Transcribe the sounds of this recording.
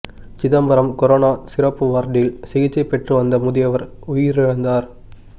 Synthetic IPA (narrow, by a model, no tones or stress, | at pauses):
t͡ʃɪðɐmbɐɾɐmkɔɾoːnaːsɪɾɐpːɯʋaːɾʈɪɪlsɪɣɪt͡ʃːɐɪpːɛʈrɯʋɐnd̪ɐmʊðɪjɐʋɐɾ | ʊjɪɾɪɻɐnd̪aːɾ